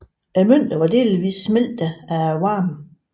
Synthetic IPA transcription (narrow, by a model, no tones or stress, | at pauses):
æmøn̰d̥ɐʋɑ̈d̥e̝̰ːliʋḭːsːmel̰d̥əææwɑ̈ːm